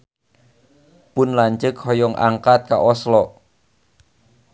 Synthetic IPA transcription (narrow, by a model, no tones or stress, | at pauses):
pʊnlaɲt͡ʃək̚hɔjɔŋʔa̰ŋkat̪̚kaʔɔslɔ